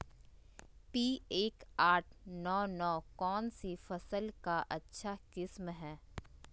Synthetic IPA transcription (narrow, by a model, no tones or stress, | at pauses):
piːeːkaːʈʰnɔːnɔːkɔːnsifɐsəlkaʔɐtːʃʰakɪsmɦɛː